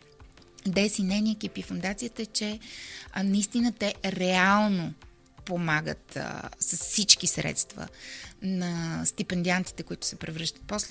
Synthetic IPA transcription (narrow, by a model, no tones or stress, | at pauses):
d̪ɛsinɛjniɛk̟ipifʊnd̪at̪sijət̪əɛt͡ʃɛ | nɐist̪inət̪ɛɾɛalˠno | pomaɡə̰t̪səsfsit͡ʃkisɾɛ̰t̪st̪və̰nɐst̪ipɛnd̪iant̪i̥t̪ɛkoit̪ʊ̥sɛpɾɛvɾɤʃt̪ə̥t̪̚pɔsl